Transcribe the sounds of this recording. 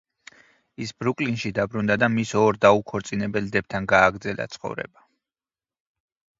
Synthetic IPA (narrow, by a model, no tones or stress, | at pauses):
isbɾukʼlinʃid̪abɾund̪ad̪amisɔɾd̪aukʰɔɾt̪sʼinɛbɛld̪ɛb̚t̪ʰanɡaːɡɾd̪zɛla̰t̪sʰχɔ̰vɾɛ̰ba